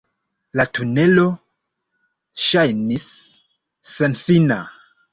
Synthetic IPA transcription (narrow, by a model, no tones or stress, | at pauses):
latune̞lo̞ | ʃajnisː | enfina